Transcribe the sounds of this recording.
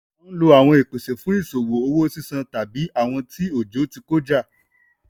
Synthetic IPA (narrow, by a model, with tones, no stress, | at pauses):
lo˧a˨w̃ɔ̃˧e˨k͡pe˨se˨fũ˨˦i˦˨so˨wo˨o˧wo˦si˦sã˧ta˨bi˨˦ʔa˦˨w̃ɔ̃˧tʰi˦o˦˨d͡ʒo˨˦ti˧ko˦d͡ʒa˦˨